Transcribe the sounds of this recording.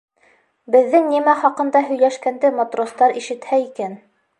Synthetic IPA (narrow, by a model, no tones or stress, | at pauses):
bɘ̆ðːɘŋnimæχɑqɤ̆nd̪ɑɦɵ̆jlæʃkænd̪ɘmot̪rost̪ɑɾiʃɘ̆t̪hæikæn